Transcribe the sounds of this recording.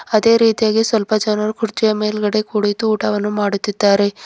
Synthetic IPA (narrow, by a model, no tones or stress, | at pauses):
ɐd̪e̞ːɾiːt̪ijaːɡisʋɐlpɐd͡ʒɐnɐɾukʰuɾt͡ʃijɐme̞ːlɡɐɽe̞kuːɽit̪uːʈɐʋɐnːumaːɽut̪ːid̪ːaːɾe̞